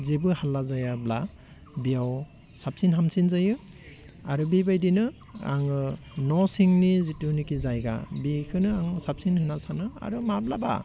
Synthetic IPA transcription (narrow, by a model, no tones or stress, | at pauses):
zebɯhalːazajabla | bijaw | sap̚sinɦamsinzajɯ | aɾubibajdinɯa̰ŋɯnɔsiŋnizitunikizajɡa̰bikʰɯnɯaŋsap̚sinhɯnasanɯa̰ɾumablaba̰